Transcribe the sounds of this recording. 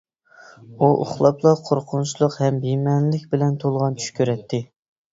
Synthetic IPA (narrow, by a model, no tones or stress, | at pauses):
uʔo̰χlˠɑplˠɑqʰoɾqʰʊnt͡ʃʰilˠʊqhɛmbimɛnlɪkʲbɪlɛnt̪ʰolˠʁɑnt͡ʃʰy̥ʃkʲʰøɾɛt̪ʰːɪ